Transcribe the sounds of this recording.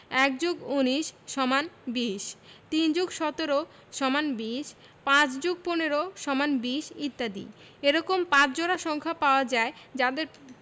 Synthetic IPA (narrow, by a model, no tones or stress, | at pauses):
ɛk̚d͡ʑoɡuniʃʃɔmanbiʃt̪ind͡ʑuɡʃɔt̪oɾo | ʃɔmanbiʃ | pãt͡ɕd͡ʑoɡ̚poneɾoʃɔmanbiʃit̪ːad̪ḭ | eɾɔkompãt͡ɕd͡ʑoɾaʃɔŋkʰapaoad͡ʑaed͡ʑad̪eɾ